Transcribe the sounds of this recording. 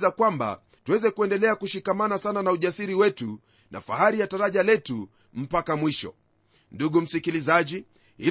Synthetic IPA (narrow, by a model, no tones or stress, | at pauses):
zakwamba̰ | tuwɛzɛkuɛndɛlɛakuʃikamanasananauʄasiɾiwɛtu | na̰fahaɾijataɾaʄalɛtu | m̩pakamwiʃɔ̰ | nduɠum̩sikilizaʄi | hi